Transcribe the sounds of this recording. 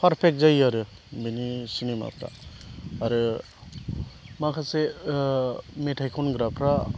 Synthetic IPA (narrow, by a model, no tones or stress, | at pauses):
pʰaɾpʰek̚zajaɾɯ | benisinema̰pa̰aɾɯ | makʰase | meʈʰajkʰɔnɡɾapʰɾa